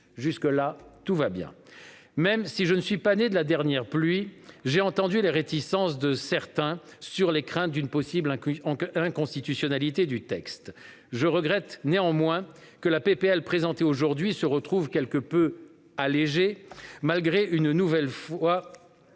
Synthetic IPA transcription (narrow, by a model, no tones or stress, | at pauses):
ʒyskəlat̪uvabjɛ̰̃ | mɛmsiʒənəsɥipaned̪əlad̪ɛʁnjɛʁplɥiʒeɑ̃t̪ɑ̃d̪yleʁet̪isɑ̃sd̪əsɛʁt̪ɛ̃syʁlekχɛ̃t̪̚d̪ynpɔsiblɛ̃kɔ̃st̪it̪ysjɔnalit̪ed̪yt̪ɛkst̪ | ʒəʁəɡʁɛt̪neɑ̃mwɛ̃ | kəlapepeɛlpχezɑ̃t̪eoʒuʁd̪ɥisəʁət̪χuvkʲɛlkəpø | aleʒemalɡʁeʔynnuvɛlfwa